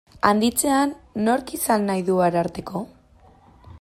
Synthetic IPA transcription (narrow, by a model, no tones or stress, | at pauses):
and̪it͡se̞anːo̞ɾkisanːajðuaɾaɾt̪e̞ko̞